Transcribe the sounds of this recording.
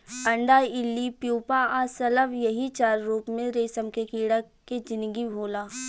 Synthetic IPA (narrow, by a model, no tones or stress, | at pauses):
ɐ̃ɳɖaɪlːipjuːpaasɐləʋjɐɦit͡ʃaːɾːuːpmẽɾeːsəmkekiːɽa | ked͡ʒɪ̃nd̪ɡibʱoːlaː